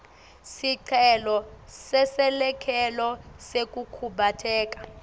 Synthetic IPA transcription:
siǀʰɛlɔsɛsɛlɛkʰɛlɔsek̬ʼukʰuɓatʰɛːk̬ʼḁ

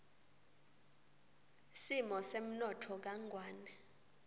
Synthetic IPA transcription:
simɔsem̩nɔtʰɔk̬aŋʱwaːnɛ

